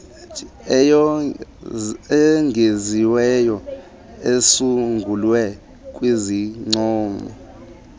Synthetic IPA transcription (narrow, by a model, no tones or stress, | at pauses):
jɔ | ɛŋɡʱeziwɛjɔ | esuŋɡʱulwɛ | kʼwiziŋ͡ǀɔːmɔ̰